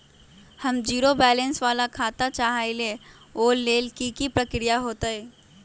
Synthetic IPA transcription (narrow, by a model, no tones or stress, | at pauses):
hɐmd͡ʒiːɾobɛːlə̃nsʋaːlakʰaːt̪at͡ʃaɦaele | oːlːeːlkikipɾɐkɾijaɦoːt̪aɦɛː